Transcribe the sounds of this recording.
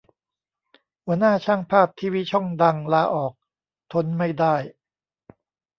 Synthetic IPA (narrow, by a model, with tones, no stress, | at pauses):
hu˩˦ɐnaː˥˩t͡ɕʰaː˥˩ŋpʰaː˥˩p̚t̪ʰiː˧˩wiː˦˥˩t͡ɕʰɔ˥˩ŋda˧ŋlaː˧ʔɔː˨˩k̚ | t̪ʰo˧˥nma˥˩jdaː˥˩j